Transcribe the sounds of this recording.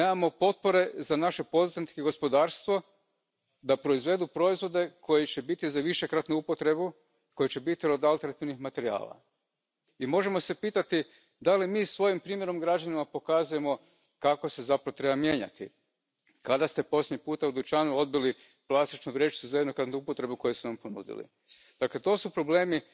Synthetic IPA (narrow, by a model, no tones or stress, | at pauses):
neːmamo̞po̞t̪̚po̞ɾe̞zanaʃe̞po̞d̪uzant̪keɡo̞spo̞d̪aːɾst̪ʋo̞ | d̪apɾo̞izʋe̞d̪upɾo̞izʋo̞d̪e̞kʰo̞jit͡ɕe̞bit̪izaʋiʃe̞kɾat̪nuupo̞t̪ɾe̞bu | ko̞jet͡ɕe̞bit̪iod̪alˠt̪enat̪iʋnixmat̪e̞ɾia̰ːla̰ | imo̞ʒe̞mo̞se̞piːt̪at̪i | d̪alimiːsʋo̞jimpɾiːmje̞ɾo̞mɡɾad͡ʒanimapo̞kazuje̞mo̞ | kako̞se̞zapɾaʋot̪ɾe̞bamje̞ːɲa̰t̪ḭ | kad̪ast̪e̞po̞slʲeɲipuːt̪aud̪ut͡ʃaːnuo̞d̪̚bili | plˠast̪it͡ʃnuʋɾjeʃi̥t̪uzajed̪no̞kɾat̪nuupo̞t̪ɾe̞buko̞jesunampo̞nṵd̪ḭlḭ | d̪akle̞t̪o̞supɾo̞ble̞ːmi